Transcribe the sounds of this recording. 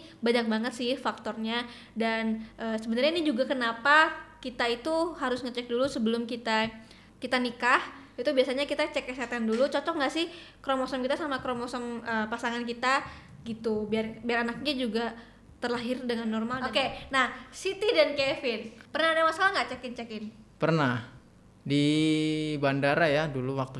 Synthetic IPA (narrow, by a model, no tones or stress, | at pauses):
baɲak̚baŋət̪sɪhfak̚t̪ɔrɲa | danʔəːsəbənarɲainid͡ʒuɡakənapakit̪ait̪uɦaɾʊsŋət͡ʃɛk̚dulusəbəlʊmkit̪a | kit̪anikahit̪ubiasaɲakit̪at͡ʃɛksat̪andulut͡ʃɔt͡ʃɔk̚ŋɡaʔsɪhkɾomɔsɔmkit̪asamakɾomɔsɔməːpasaŋankit̪aɡit̪ubiarbiaɾanak̚ɲad͡ʒuɡa | t̪ərlaɦɪrdəŋanːɔrmalokenahsit̪idankefɪnpərnahdamaskalaŋɡat͡ʃɛkɪnt͡ʃakɪnpərnah | di | bandaɾajaduluwak̚t̪u